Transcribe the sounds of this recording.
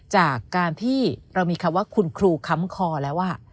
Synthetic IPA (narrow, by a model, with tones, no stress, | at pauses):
t͡ɕaː˨˩kːaː˧nt̪ʰiː˥˩ɾa˧wmiː˧kʰa˧mwaː˥˩kʰu˧nkʰɾuː˧kʰa˦˥mkʰɔː˧lɛː˦˥wʔaː˥˩